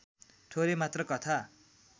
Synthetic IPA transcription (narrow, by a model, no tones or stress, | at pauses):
ʈʰoɾemat̪rʌkʌt̪ʰa